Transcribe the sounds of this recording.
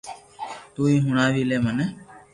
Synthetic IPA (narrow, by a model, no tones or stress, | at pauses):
t̪uːiːɦʊɳaːʋiːleːməneː